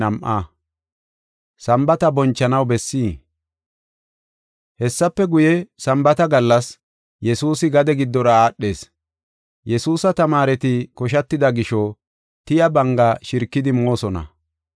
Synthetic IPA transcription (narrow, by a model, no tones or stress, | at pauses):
ɐmʔɐ̰ | sɐmbɐt̪ɐbɔnt͡ʃːɐnɐwbɛsːiː | hɛsːɐpːɛɡʊjɛsɐmbɐt̪ɐɡɐlːɐs | jɛsuːsɪɡɐd̪ɛɡɪd̪ːɔɾɐaːɗːe̞ːs | jɛsuːsɐt̪ɐmaːɾɛt̪ɪkɔʃ̬ɐt̪ːɪd̪ɐɡɪʃɔ | t̪ɪjɐbɐŋɡɐʃɪɾkːɪd̪ɪmoːsɔnɐ̰